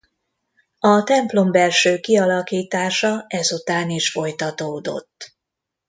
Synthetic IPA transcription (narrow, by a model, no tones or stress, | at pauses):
ɒt̪ɛmplo̞mbɛlʃøːkiɒlɒkiːt̪aːʃɒɛzut̪aːniʃfo̞jt̪ɒt̪oːd̪o̞̰t̪ː